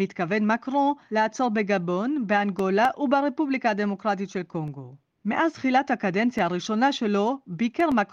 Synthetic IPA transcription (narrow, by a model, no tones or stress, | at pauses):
it̪kavenmakʁõleat͡so̞ʁbeɡabo̞nbeanɡo̞laʔubaʁepublikaade̞mo̞kʁat̬itʃe̞lko̞ŋɡo̞ | me̞ʔazt̪χilathakadent͡sjaːʁiʃo̞naʃe̞lo̞bikeʁmak